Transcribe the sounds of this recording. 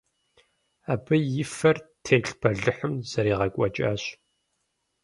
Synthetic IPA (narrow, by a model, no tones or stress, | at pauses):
aːbɨjɪfɐrtʰeːɬpʰɐɮɨħɨmz̥ɐɾiːʁɐkʷʼɔt͡ʃʼa̰ːɕ